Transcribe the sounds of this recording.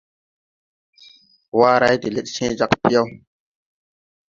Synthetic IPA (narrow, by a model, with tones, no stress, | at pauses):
waː˦ɾa˦jde˨le˦t̚sẽ˦d͡ʒa˦kpi˦ja˦w